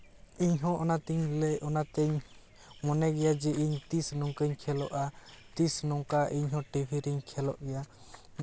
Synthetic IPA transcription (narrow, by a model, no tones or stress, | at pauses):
iɲɦɔ̃ʔɔnat̪iɲlɛʔɔnat̪ɛɲ | mɔnɛɡɛjad͡ʒɛʔiɲt̪isnɔŋkəɲkʰɛlɔʔat̪isnɔŋkaʔiɲɦɔ̃ʈibʱiɾiɲkʰɛlɔ̰ʔɡɛja